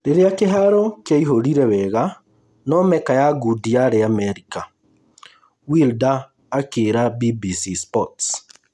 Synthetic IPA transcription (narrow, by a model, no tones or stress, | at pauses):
ɾeɾeakeɦaɾɔkjaiɦoɾiɾɛwɛɣa | nɔmɛkajaɡudiaɾeamɛɾika | wildaː | keɾabibisispɔts